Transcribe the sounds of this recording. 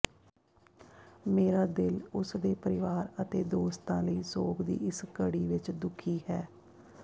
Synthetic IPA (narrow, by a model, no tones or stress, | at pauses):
meːɾaːd̪ɪlʊsd̪eːpəɾɪʋaːɾət̪eːd̪oːst̪ãːləiːsoːkd̪ḭːɪskəɽiːʋɪt͡ʃd̪ʊkʰiːhɛː